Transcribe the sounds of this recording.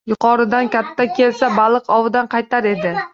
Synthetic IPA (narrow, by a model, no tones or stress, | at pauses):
jʊqʰɒɾɪd̪ankʲat̪ʰːakʲʰe̞lsabalˠɨqɒwɪd̪anqʰɑjt̪ʰaɾe̞d̪ɪ